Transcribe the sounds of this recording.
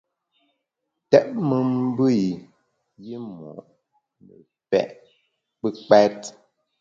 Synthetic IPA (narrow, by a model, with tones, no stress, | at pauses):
tɛ˦ʔmə˦m˦bə˦˨i˨ | ji˦mɔ̰˨ʔ | nə˨ | pɛ̰˦˨ʔ | k͡pə˦k͡pɛ˦t